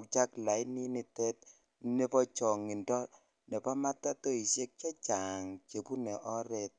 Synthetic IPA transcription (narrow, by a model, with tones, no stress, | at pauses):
kt͡ʃa˦kla˨jni˦ni˦tɛ˦t̚ | ne˦pɔ˦t͡ʃɔ˨ŋi˨ndɔ˦ | nɛ˨pɔ˦ma˦ta˦to˦i˨ʃje˦k̚t͡ʃa˦t͡ʃa˨ŋke˨pu˦nɛ˨ʔɔ˦ɾe˦t̚